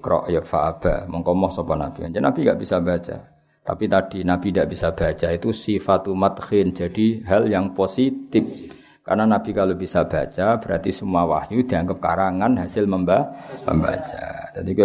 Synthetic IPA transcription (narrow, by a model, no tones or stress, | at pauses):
kɾɔ̰ʔjəfa̰ːb̥amɔŋkɔmɔhsɔpɔna̰b̥iand͡ʒanab̥iŋɡaʔb̥isabat͡ʃa̰ | t̪a̰pit̪ad̥inab̥indaʔb̥isab̥at͡ʃait̪usifat̪umat̪xɪn̥d͡ʒa̤d̥iɦaljaŋposit̪ɪp̚ | ka̰rnanab̥ikalob̥isab̥at͡ʃab̥əɾa̰rt̪isəmuawahjud̪̥i̤aŋɡəp̚kaɾaŋanɦasɪlməmbamə̰mbat͡ʃa̰t̪at̪ik